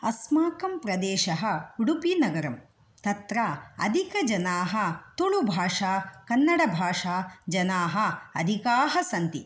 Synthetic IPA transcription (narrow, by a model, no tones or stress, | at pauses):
ɐsmaːkɐmpɾɐd̪ɛːʃɐɦɐ̆uɽupinɐɡɐɾɐm | t̪ɐt̪ɾaɐ̰d̪ʱikɐd͡ʒɐnaːɦɐt̪oɭubʱaːʂaːkɐnːɐɽɐbʱaːʂaːd͡ʒɐnaːɦɐɐd̪ʱikaːɦɐsɐnt̪i